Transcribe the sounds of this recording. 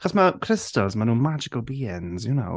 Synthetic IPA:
χɔzməkʰɹ̥ɪstəlˠzmənuːmad͡ʒɪkəlˠbiːənzjuno̰ʊ

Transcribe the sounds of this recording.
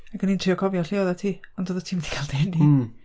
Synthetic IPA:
akɡənintʰriɔkʰɔvjɔɬɪɔðatʰiːɔndoːðətʰiːmɛdiɡʰalˠdeni

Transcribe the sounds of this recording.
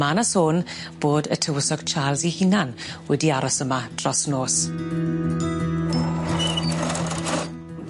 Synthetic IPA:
manasoːn | b̥oːdə̰tʰəwəsɔɡ̥t͡ʃʰaːlˠzihinanwɛdiaɾɔsəmad̥rɔsnoːs

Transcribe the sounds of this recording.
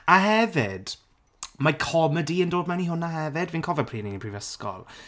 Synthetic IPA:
aɦɛvɪd̥ | makʰɔmədiəndoːdmaniɦʊnahɛvɪdvinkʰɔvɛpʰriːniənprivəskɔ̰lˠ

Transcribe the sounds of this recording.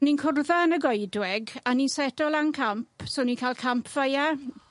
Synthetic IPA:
ninkʰʊrðaənəɡɔjdwɛɡaninsɛdɔlˠaŋkʰampʰsoːnikʰaːlˠkʰampʰv̥əja

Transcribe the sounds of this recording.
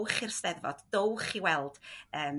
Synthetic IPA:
wχirstɛðvɔ̰dd̥owχiwɛlˠd̥əːm

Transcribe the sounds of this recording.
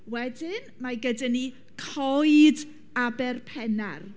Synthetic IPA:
wɛdɪnmaɡədɪni | kʰɔjd | abɛrpʰɛnar

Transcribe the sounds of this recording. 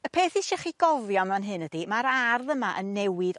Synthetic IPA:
əpʰeːθiʃɛχiɡ̥ɔvjɔnanɦɨnəd̥imaɾarðəmaʔənːɛwɪd

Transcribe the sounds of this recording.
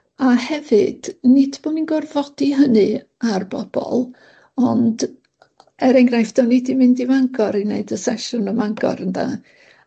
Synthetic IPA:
ahɛvɨd̥nɪdb̥oːninɡɔrvɔd̥iɦənɨ | arb̥ɔb̥ɔ̰lˠ | ɔnd | ɛɾɛŋɡrajfd̥ɔnɪdimɪndimaŋɡɔɾineɨdəsɛʃʊnəmaŋɡɔ̰ɾənda̰

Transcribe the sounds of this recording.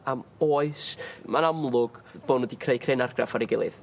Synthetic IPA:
amoːɨsmanamlˠʊɡ̥b̥oːdnwɛdikʰreɨkʰreːnarɡrafaɾiɡɪlˠɨ̰ð

